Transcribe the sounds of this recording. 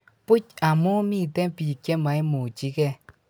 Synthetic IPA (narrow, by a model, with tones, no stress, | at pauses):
pu˦ca˨mu˦mi˦˨tɛ˦pi˨kɛ˦ma˨i˦mu˨t͡ʃi˦kɛ˦